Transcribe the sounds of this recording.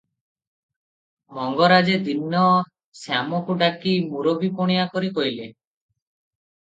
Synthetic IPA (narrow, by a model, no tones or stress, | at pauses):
mɔŋɡɔɾad͡ʒed̪inːɔ | samɔkuʈakimuɾobipɔɽ̃ijakɔɾikɔjle